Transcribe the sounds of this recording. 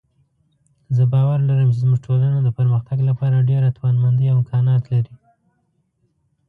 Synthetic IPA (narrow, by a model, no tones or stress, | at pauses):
zəbɑwaɾlaɾəmt͡ʃezmuʒʈʰolanod̪əpəɾməxt̪aɡlapɑɾaɖeɾat̪wanmand̪iawɪŋkʰɑnɑt̪laɾi